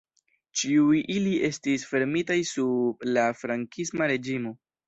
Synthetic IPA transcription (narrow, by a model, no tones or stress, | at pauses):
t͡ʃiujʔilie̞stisfe̞ɾmitajsublafɾaŋkismaɾe̞d͡ʒimo̞